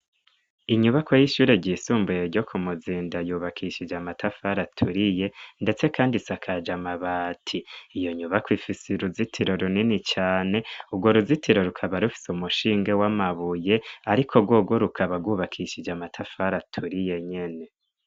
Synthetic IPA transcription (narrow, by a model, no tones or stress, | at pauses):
iɲuβakwojiʃuːɾe̞ɟiːsuːmbujeɾɟo̞kʰumuziːndajuːβakʰiʃid͡ʒamatʰafaɾatʰuɾije̞nde̞t͡se̞kʰaːndisakʰad͡ʒamaβaːtʰiijo̞ɲuβakwifiseɾuzitʰiɾo̞ɾuninit͡ʃaːne̞ubɡwoɾuzitʰiɾo̞ɾukʰaβaɾufi̥seumuʃiːŋɡewamaβuje̞aɾikʰobɡwoɡwoɾukʰaβaɡuːβakʰiʃid͡ʒamatʰafaɾatʰuɾije̞ɲe̞ne̞